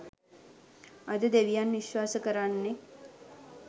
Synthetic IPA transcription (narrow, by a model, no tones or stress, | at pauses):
ad̪əd̪eʋijanʋiʃʋaːsəkəɾanːe